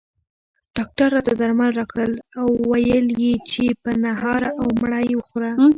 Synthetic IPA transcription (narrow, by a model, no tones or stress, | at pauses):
ɖ̥ɑk̚ʈaɾːɑt̪ad̪aɾmalɾɑkɽəlawːajəljet͡ʃepənaɦɑɾaʔawmɽəjwəxoɾa